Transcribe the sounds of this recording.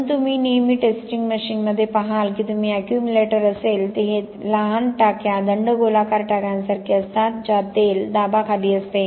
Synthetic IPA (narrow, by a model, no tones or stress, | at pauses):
t̪um̤iːnejmiːʈesʈiŋɡməɕiːnməd̪ʱːjepəɦalkiːt̪umiːækjumjuleʈəɾəselt̪eɦe | laɦanʈakjad̪əɳɖəɡʱolakaɾʈakjãnsaɾkʰiəst̪at̪̚d͡ʑat̪eld̪abakʰad̪iːəst̪e